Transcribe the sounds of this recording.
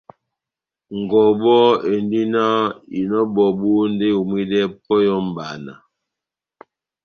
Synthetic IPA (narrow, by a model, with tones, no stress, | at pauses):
ŋ˨ɡɔ˨bɔ˦e˨ndi˦na˦i˨nɔ˦bɔ˨bu˦n˦de˦u˨mwi˦dɛ˦pɔ˦jɔ˦m˨ba˨na̰˨